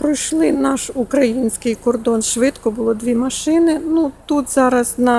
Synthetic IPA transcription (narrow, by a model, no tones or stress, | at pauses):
pɾɔjʃlˠɪnɑʃukɾɐjinʲsʲkɪjkɔrd̪ɔnʃʋɪt̪kɔbʊlˠɔd̪ʲʋʲimɐʃɪnɪnut̪ut̪zɑɾɐznɐ